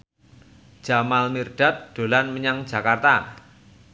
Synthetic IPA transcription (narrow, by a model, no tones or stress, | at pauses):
ʒ̥a̤malmirɖ̥a̤t̪̚ɖ̪̥o̤lanməɲaŋ̥d͡ʒ̥a̤kart̪a